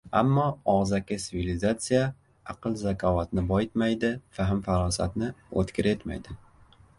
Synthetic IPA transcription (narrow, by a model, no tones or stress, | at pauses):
a̰mːɒɒʁzakʲɪsɪvʲilizat̪sɨja | aqɨlˠzakʲʰɒvat̪nɪbɒjɪt̪majd̪ɪfaɦɪmfaɾɒsat̪nɪo̰t̪kʲɪɾe̞t̪ma̰jd̪ɪ